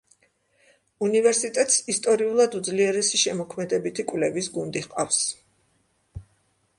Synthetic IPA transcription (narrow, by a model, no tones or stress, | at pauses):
univɛɾsit̪ʼɛt̪ʼsist̪ʼɔɾiulˠad̪ud̪zliɛɾɛsiʃɛmɔkʰmɛd̪ɛbit̪ʰikʼwvlɛvisɡund̪iʁqʼafs